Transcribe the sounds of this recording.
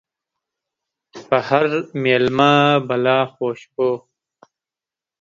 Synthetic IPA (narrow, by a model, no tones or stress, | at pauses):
pɐhɐɾmeːlmaːbɐlaːxoːɕpoː